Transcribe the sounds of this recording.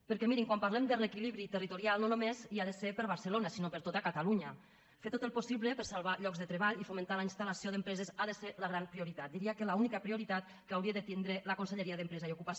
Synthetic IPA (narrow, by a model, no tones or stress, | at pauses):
pəɾkɛmiɾiŋkwampaɾlɛmd̪ərekiliβɾit̪ərit̪uɾialˠnonomeziaðəsepəɾβaɾsəlonasinopəɾt̪ot̪akat̪aluɲə | fet̪ot̪əlˠposiβləpəɾsalˠβaʎɔkzðət̪ɾeβaʎifoment̪alainst̪alasioðəmpɾɛzezaðəseləɣ̞ɾampɾioɾit̪at̪d̪iɾiakəlaunikəpɾioɾit̪at̪ | kəawɾiəðət̪ind̪ɾeləkonseʎeɾiaðəmpɾɛzaiukupas